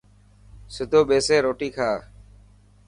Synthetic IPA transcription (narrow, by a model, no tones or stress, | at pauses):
sʊd̪ʱoːɓeːseːɾoːʈiːkʰaː